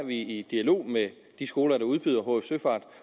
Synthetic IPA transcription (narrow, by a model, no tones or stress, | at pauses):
ʋiid̥iælo̝̰ːme | d̥isɡ̥o̝ːlɐɾ̥ɑ̈uð̞ˠb̥yð̞̰ˠɐɦoefsøfɑ̰̈ːd̥